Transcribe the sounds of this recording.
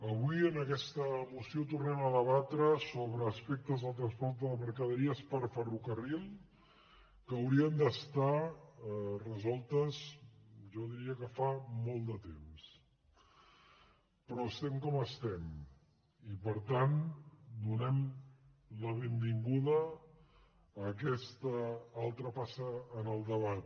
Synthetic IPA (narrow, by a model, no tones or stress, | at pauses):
əβ̞uiənəkɛst̪əmusiot̪urnɛməðəβ̞at̪ɾəsoβɾəːspɛk̚t̪əzðəlˠt̪ɾənspɔɾt̪əðəməɾkəðəɾiəspəɾfərukərilˠ | kəːwɾiənd̪əst̪a | rəzɔlˠt̪əzʒɔðiɾiəkəfamɔlˠd̪ət̪ems | pɾɔəst̪ɛmkɔməst̪ɛm | ipəɾt̪and̪unɛm | ləβembiŋɡuðə | k̬ɛst̪əalˠt̪ɾəpasəːnəlˠd̪əβat̪̚